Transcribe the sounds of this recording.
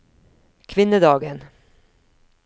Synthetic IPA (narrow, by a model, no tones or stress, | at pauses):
kʰvɪnːəd̪ɑːɡən